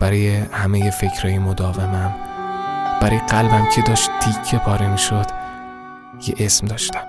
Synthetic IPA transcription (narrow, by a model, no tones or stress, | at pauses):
b̥æɾɒːjehæmejefe̞cʰɾɒːjemod̪ɒːvemæm | b̥æɾɒjeɡælbæmcʰe̞d̪ɒːʃt̪̚t̪ʰicʰːepʰɒːɾemiʃod̪̥ | jʰḛʔesmd̪ɒːʃt̪æ̥m